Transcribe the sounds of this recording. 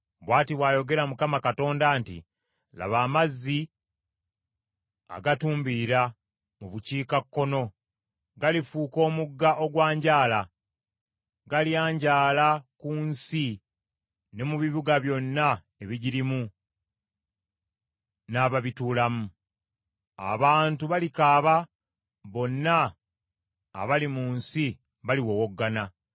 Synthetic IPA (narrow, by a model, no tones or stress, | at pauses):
βwaːtiβwaːjo̞ɡe̞ɾamukamakato̞ːndaːntḭ | la̰βaːmazːi | a̰ɡatuːmbiɾa | muβuciːkakːo̞no̞ | ɡalifuːko̞ːmuɡːaʔo̞ɡwaːɲɟaːla | ɡaliaːɲɟaːlakuːnsi | ne̞muβiβuɡaβjo̞nːa | e̞βiɟiɾimu | naːβaβituːlamu | a̰βaːntuβalikaːβa | βo̞nːa | βalimuːnsi | βaliwo̞woɡːana